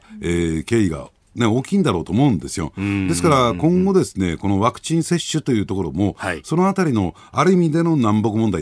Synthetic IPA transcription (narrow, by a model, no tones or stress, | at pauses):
eːke̞ːiɡa̰ | neo̞ːkʲĩːnd̪aɾo̞ːt̪oːmo̞ɯ̟̃nd̪e̞sɨjo̞̰d̪e̞sɨ̥kaɾakõ̞ŋɡo̞d̪e̞sɨne̞ko̞no̞βakɯ̟̥t͡ɕĩɰ̃se̞ɕːɨt̪o̞jɯ̟ːt̪oko̞ɾo̞mo̞so̞noat̪aɾʲino̞ | aɾɯ̟imʲid̪e̞no̞nãmbo̞k̬ɯ̟mond̪a